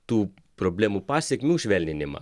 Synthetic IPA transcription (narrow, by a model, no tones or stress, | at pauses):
t̪uː | pɾɔblemupasɛkmiuʃʋɛlnʲɛnʲɛma̰